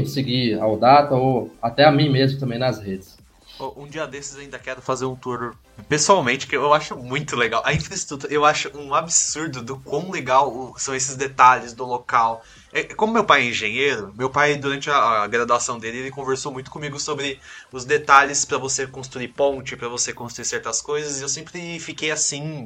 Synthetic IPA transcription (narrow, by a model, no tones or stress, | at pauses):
sɪɡiaod̪at̪ɐoat̪ɛamĩmezmʊt̪ɐ̃mbẽj̃nɐshed͡ʒɪs | ɔʔũd͡ʒiɐd̪esɪzaĩnd̪ɐkɛɾʊfazeɾũt̪uɾ | pesuawmẽnt͡ʃɪ̥kewewaʃʊmũj̃t̪ʊleɡawʔɐĩfɾɐiʃt̪ɾut̪uɾɐewaʃʊʔũabɪsuɾd̪ʊd̪ʊkwɐ̃w̃leɡawʊsɐ̃w̃es̬ɪzd̪et̪aʎɪzd̪ʊlokaw | ɛkõmʊmewpajɛĩʒẽejɾʊmewpajd̪uɾɐ̃nt͡ʃɪɐɡɾad̪asɐ̃w̃d̪elɪelɪkõveɾsowmũj̃t̪ʊ̥kõmiɡʊsobɾɪʊzd̪et̪aʎɪspɾɐvosekõst̪ɾuipõt͡ʃɪpɾɐvosekõst̪ɾuiɾsɛɾt̪ɐskojzɐzewsẽmpɾɪfikejasĩ